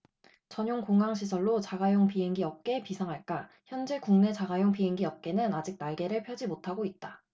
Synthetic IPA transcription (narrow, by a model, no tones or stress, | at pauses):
t͡ɕʌɲoŋkoŋaŋɕʰis̬ʰʌɭːot͡ɕaɡajoŋpiɦe̞ŋɡiʌp̚k͈e̞pisʰʌŋɦaɭk͈a | çjʌnd͡ʑe̞kuŋne̞t͡ɕaɡajoŋpiɦe̞ŋɡiʌp̚k͈e̞nɯnad͡ʑik̚naɭɡe̞ɾɯɭpʰjʌd͡ʑimotʰaɡoit̚t͈a